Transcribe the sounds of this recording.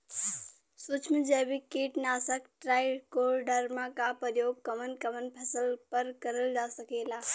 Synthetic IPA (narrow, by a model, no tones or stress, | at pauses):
sut͡ʃʰmĩd͡ʒɛːbikeːʈnaːsəkʈɾaːjkoːɾɖəɾmãkapəɾjoːɡ̚kəmənkɐmənpʰɐsəlpəɾkəɾəld͡ʒaːsəkeːlaː